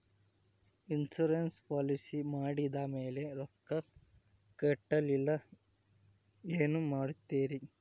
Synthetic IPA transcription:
insuɾenspaːlisimaːɽid̪ɐmeːle̞ɾɔkːɐ | kɛʈːɐlilːɐ | eːnumaːɽut̪ːeːɾi

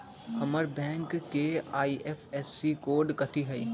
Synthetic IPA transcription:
kɐməɾbɛ̃ːŋkkːeaːiʔeːfɛːsːikoːɾɖkɐt̪ʰiɦɛi

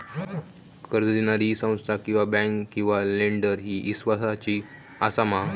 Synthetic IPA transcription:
kəɾd͡zəd̪enaɾisə̃w̃st̪ʰakĩw̃ʋabɛ̃ŋkkːĩw̃ʋaleɳɖəɾɦiːʔisʋasat͡ɕiː | a̰sama

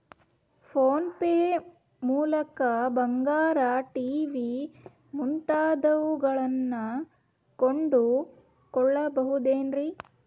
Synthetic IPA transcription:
pʰoːnpeː | muːlɐkɐbɐŋɡaːɾaʈiːʋi | muɳʈaːd̪ɐʋuɡɐɭɐnːɐ | koɳɖu | kɔɭːɐbɐɦud̪eːnɾi

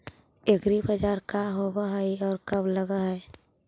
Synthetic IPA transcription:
eɡɾibəd͡ʒaːɾkaɦobaɦəiɔːɾkəbləɡaɦɛj

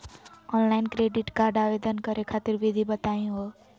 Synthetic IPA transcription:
ɔnlainkɾeɖiʈkaɾɖaʋed̪ənkəɾekʰat̪iɾʋid̪ʱibət̪aĩɦo

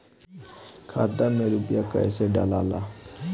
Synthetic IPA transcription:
kʰad̪ameɾupjakə̰jseɖa̰lala

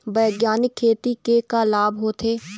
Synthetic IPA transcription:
bɛːɡjaːnɪkʰːeːt̪ikekaːlaːbɦoːt̪ʰeː

